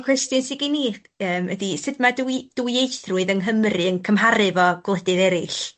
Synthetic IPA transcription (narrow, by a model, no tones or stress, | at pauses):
kʰw̥ɛstjɨnsɪɡini | əːmədisɨdmaduid̥uiejθrʊɨðənɦəmrɨənkʰəmɦaɾɨvɔɡ̥lˠɛdɨðɛɾɨɬ